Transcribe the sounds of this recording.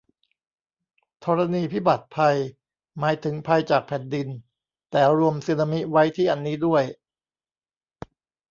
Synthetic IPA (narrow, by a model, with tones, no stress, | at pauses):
t̪ʰɔː˧ɾa˧niː˧pʰi˦˥˩ba˨˩t̪̚pʰa˧j | maː˩˦˥jt̪ʰɯ˩˦ŋpʰa˧jt͡ɕaː˨˩k̚pʰɛ˨˩ndi˧n | t̪ɛː˨˩ɾu˧əmsiː˧na˧mi˦˥wa˦˥jt̪ʰiː˥˩ʔa˧nːiː˦˥du˥˩əj